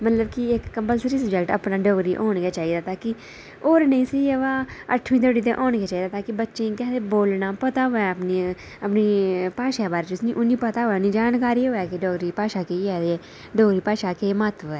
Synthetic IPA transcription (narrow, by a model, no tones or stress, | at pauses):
mət̪ləbkiɪkːəmpəlsɾiːsəbd͡ʒɛkʈə̰pnaːɖɔːɡɾiːʔoːɳɡaːt͡ʃaːiːd̪aːt̪aːki | oːɾnəĩːsiəʋaːəʈʰːʋĩːt̪oːɽiːt̪̬eːʔoːɳɡeːt͡ʃaːid̪aːt̪aːkibətːʃẽːkɛːd̪eboːlnaːpət̪aːɦoɛːəpni | əpniːpaːʃaːbaːɾeːt͡ʃʊsnĩːʔʊnːĩːpət̪aːɦoːɛːniːd͡ʒaːnkaːɾiːoːaːkeɖoːɡɾiːpaːʃaːkeɛːd̪eɛː | ɖoːɡɾiːpaːʃaːkemaːt̪ʋɛː